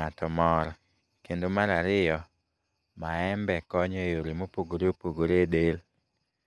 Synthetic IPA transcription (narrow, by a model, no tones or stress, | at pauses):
atɔmɔɾ | kendomaɾaɾɪjɔ | maɛmbɛkɔɲɔjoɾimopoɡoɾeopoɡoɾedel